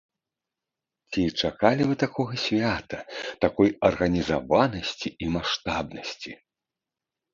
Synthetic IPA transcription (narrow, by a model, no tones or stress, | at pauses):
t͡sʲit͡ʂakalʲivɨt̪akɔɣɐsʲvʲat̪ɐt̪akɔjɐrɣɐnʲizavanɐsʲt͡sʲiimaʂt̪abnɐsʲt͡sʲi